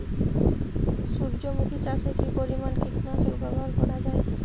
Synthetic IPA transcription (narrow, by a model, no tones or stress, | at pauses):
suɾd͡ʑomukʰit͡ɕaseʈipoɾimankiʈnasuɾbaɡalbonad͡ʑae